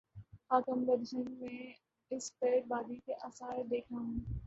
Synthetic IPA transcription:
haːkəmbəɾd͡ʒənmẽ | ɪspeːʈ̚baːd̪ikeʔɐsaːɾd̪eːkʰaɦũː

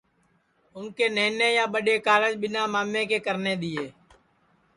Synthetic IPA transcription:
ʊnkeːneːneːjãːɓəɗeːkaːləd͡ʒɓɪnaːmaːmːẽːkeːkəɾneːd̪ɪeː

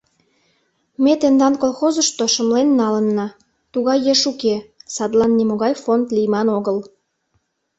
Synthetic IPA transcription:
met̪end̪ɑnkolxozəʃt̪oʃə̆mlenːɑlə̆nːɑ | t̪uɣɑjːeʃukesɑd̪lɑnːimoɣɑjfond̪lijmɑnoɣəl

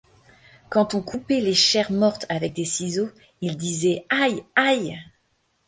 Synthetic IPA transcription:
kɑ̃t̪ɔ̃kʰupɛleʃɛʁmɔʁt̪avɛk̚d̪esizo | ild̪izɛajaj

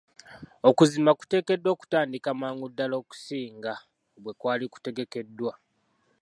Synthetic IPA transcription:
o̞kuzimaku̥te̞ːke̞dːwo̞ːku̥taːndikamaːŋɡudːalo̞ːku̥siːŋɡa | βwe̞kwaːliku̥te̞ɡe̞ke̞dːwa

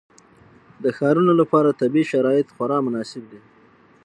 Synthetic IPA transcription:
d̪əxɑɾunolapɑɾat̪abiʃaɾɑjɪt̪xaɾɑmʊnɑsɪb̚d̪i

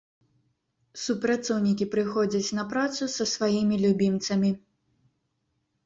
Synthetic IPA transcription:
supɾat̪sɔwnʲikʲipɾɨxɔd͡zʲɐt͡sʲnɐpɾat̪susɐsvajimʲilʲubʲint̪sɐmʲi

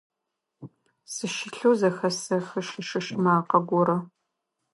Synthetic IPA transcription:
sɨʃɪɬuːzɐxɐsɐxɐʂɨʃɐʃmaːqɐɡʷɔɾɐ

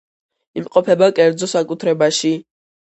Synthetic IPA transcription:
imqʼɔpʰɛbakʼɛɾd̪zɔsakʼut̪ʰɾɛbaʃi

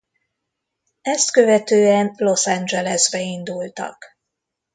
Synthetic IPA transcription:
ɛst̪kø̞vɛt̪øːɛnlo̞sand͡ʒɛlɛzbɛind̪ult̪ɒ̰k

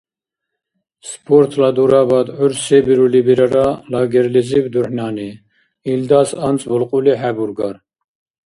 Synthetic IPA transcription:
spʰɔɾt̪ʰlɑd̪uɾɑbɑd̪ʕuɾsɛbiɾulibiɾaɾɑlɑɡɛɾlizibd̪uħnɑːni | ild̪ɑsɑnt͡sʼbulqʼuliɦæbuɾɡɑɾ

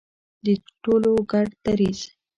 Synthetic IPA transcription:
d̪əʈoloɡaɖt̪aɾiz̥

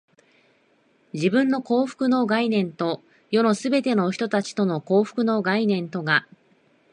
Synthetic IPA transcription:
d͡ʑibɯ̟̃nːo̞ko̞ːɸɯ̥kɯ̟no̞ɡainẽ̞nt̪o̞ | jo̞no̞sɨbe̞t̪e̞no̞çi̥t̪o̞t̪at͡ɕi̥t̪o̞noko̞ːɸɯ̟̥kɯ̟no̞ɡainẽ̞nt̪o̞ɡa

